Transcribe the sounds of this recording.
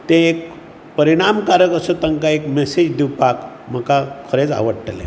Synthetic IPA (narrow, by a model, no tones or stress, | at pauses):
t̪ẽek̚ | pəɾiɽ̃amkaɾəkəsət̪ə̃ŋkaekmesed͡ʑd̪iwpak | m̤əkakʰəɾet͡sa̰ʋəɽʈlḛ